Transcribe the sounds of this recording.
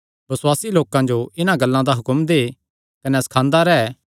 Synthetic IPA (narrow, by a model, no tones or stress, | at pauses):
bɐswaːsiloːkãd͡ʒoɪnãɡɐlːãd̪aɦʊkəmd̪eː | kɐnɛsɐ̥kʰãːnd̪aɾɛː